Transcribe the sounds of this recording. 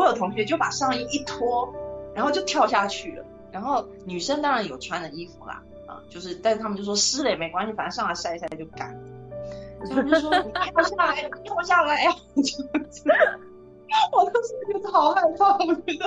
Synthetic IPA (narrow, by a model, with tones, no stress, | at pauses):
jo˨˩ʊt̪ʰʊ˧˥ŋɕɥɛ˧˥t͡ɕjo˥˩ʊpa˨˩ʂɑ˥˧ŋi˥˧i˥˩t̪ʰwɔ˥ɻa˧˥nxo˥˧t͡ɕo˥˧ʊt̪ʰjɑ˥˧ʊɕja˥˧t͡ɕʰy˥˩lə̰˩ | ɻa˧˥nxo˥˩ʊ | ny˨˩ʂə˥ŋt̪ɑ˥ŋɻa˧˥njo˨˩ʊʈ͡ʂʰwa˥nd̪ə˨i˥fu˨˩lɐ̰˨˩ | ɐ̰˧t͡ɕjo˥˧ʊʂɻ̩˥˩t̪a˥˧ʂ̩ʰ˥˩˥ə˨t͡ɕo˥˩ʂwɔ˥sɹ̩˥li˨˩ɪme˧˥ɪkwa˥nɕi˩fa˨nə˥˧ʂɑ˥˧ŋa˧˥˩sa˥˧ɪ˥ɕja˥˩t͡ɕjo˥˩ʊka˨˩˦nʰ˨˩˥ | t͡ɕo˥˩ʂwɔ˥i˨˩t̪jɑ˥˧ʊɕja˥˩la˧˩ɪ˨˩jɑ˥˧ʊɕja˥˩la˧˩ɪ˥˨˩t͡ɕo˥˩˥ | wɔ˨˩t̪o˥ʊʂ̩˥˩˧t̪ʰɑ˧˥ʊxa˥˧ɪfɑ˥˩ŋ˥ə˨˩